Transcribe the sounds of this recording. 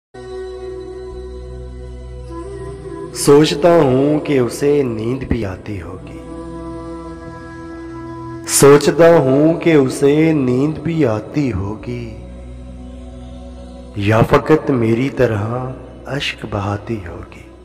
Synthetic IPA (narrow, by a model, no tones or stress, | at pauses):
soːt͡ʃt̪aɦũkeʊsenĩːd̪bʱiaːt̪iɦoːɡiː | soːt͡ʃt̪aɦũkeʊsenĩːd̪bʱiaːt̪iɦoːɡiː | jaːfɐkət̪meːɾit̪ɐɾə | ɐʃkbɐɦaːt̪iɦo̰ːɡiː